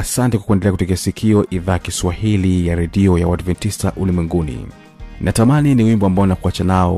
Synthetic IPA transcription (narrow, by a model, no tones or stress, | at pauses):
asantɛkwḁkuɛndɛlɛakutɛk̬ɛasikʰiɔʔiðaːkiswahilijaɾɛɗiɔjawadvɛntistaʔulimwɛŋɡunḭ | nʔatamaniniwimbɔambaɔnakuat͡ʃanaɔ